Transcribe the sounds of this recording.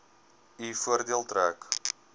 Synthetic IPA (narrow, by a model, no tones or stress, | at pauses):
ifuərdiəlˠtɾæːk